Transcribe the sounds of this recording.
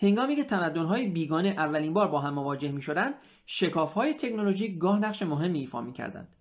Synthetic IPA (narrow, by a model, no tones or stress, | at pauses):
he̞ŋɡɒːmiːcʰet̪ʰæmæd̪ːonɦɒːjebiːɡɒːne̞ʔævːæliːnbɒːɾbɒːɦæmːo̞vɒːd͡ʒe̞hmiːʃo̞d̪ænd̪ | ʃe̞kʰɒːfhɒːje̞t̪ʰe̞kʰno̞lo̞ʒiːkɡɒːhnæʁʃe̞moɦe̞mːiːfɒ̰ːmiːcʰæ̰ɾd̪æ̰nd̪̥